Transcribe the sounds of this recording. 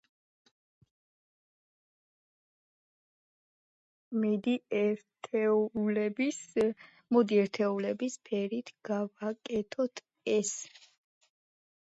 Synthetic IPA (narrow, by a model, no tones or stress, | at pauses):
mid̪itʰlɛbis | mɔd̪iɛɾt̪ʰɛulɛbispʰɛɾit̪ʰɡ̥avakʼɛt̪ʰɔt̪ʰ | ɛs